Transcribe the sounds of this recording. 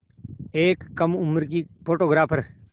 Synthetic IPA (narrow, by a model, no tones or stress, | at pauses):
eːkːɐmʊmɾkipʰoːʈoːɡɾaːpʰəɾ